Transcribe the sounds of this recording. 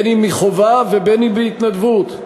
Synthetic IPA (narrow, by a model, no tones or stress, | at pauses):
nimiχovavebenibiit̪nad̪vut̪